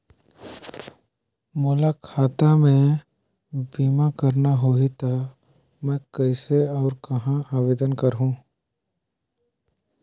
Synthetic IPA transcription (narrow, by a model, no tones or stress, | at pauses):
mʊːlakʰaːt̪amẽ | biːmakɐɾnaɦoit̪a | mɛ̃kɛɪseɔːɾkɐɦãaːʋeːd̪ənkɐɾɦũː